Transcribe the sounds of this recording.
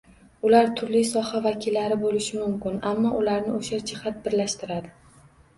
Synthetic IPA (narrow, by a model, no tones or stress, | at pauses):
ʊlaɾt̪ʰʊɾlisɒhavakʲʰɪlːaɾɪbolɪʃɪmʊmkʲɪnamːɒʔʊlaɾnɪoʃad͡ʒɪhat̪̚bɪɾlaʃt̪ɪɾad̪ɪ